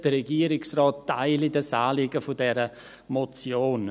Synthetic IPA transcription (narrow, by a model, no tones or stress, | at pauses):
d̥əɾɛɡiəɾɪksrɔːtːaɪlidəsaːlɪɡəfʊdɛɾə | mot͡sjoːn